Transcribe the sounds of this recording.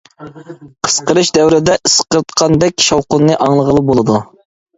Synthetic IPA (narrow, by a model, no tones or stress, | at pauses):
qʰə̥sqəɾɨʃd̪ɛwɾɪd̪ɛʔɨsqəɾt̪qʰɑnd̪ɛkʲʃɑwqʊnːɨʔɑŋlˠəʁəlˠɨp̚bolˠɨd̪u